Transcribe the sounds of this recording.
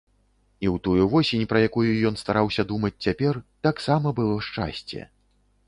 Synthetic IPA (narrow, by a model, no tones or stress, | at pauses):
iwt̪ujuvɔsʲenʲpɾɐjakujujɔnst̪aɾawsʲɐd̪umɐt͡sʲt͡sʲapʲɛrt̪aksamɐbɨlˠɔʂt͡ʂa̰sʲt͡sʲɛ̰